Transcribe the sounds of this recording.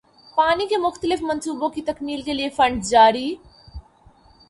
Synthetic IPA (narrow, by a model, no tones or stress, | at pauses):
paːnikemʊxt̪əlɪfmɐ̃nsuːbõkit̪ɐkmiːlkeliefə̃ɳɖd͡ʒaːɾi